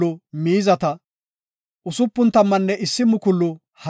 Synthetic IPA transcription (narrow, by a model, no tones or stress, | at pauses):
ʊmiːzɐt̪ɐ | ʔʊsʊpːʊnt̪ɐmːɐnːɛʔɪsːɪmʊkʊlːʊ | hɐ